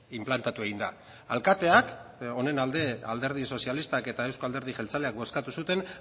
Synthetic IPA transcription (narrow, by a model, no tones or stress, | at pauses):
implant̪at̪ue̞ɣ̞ind̪a̰ | a̰lkat̪e̞ako̞ne̞nald̪e̞ald̪e̞ɾð̞iso̞sialist̪ake̞t̪aewskoald̪eɾð̞iʝelt͡sale̞ak̚bo̞skat̪usut̪e̞n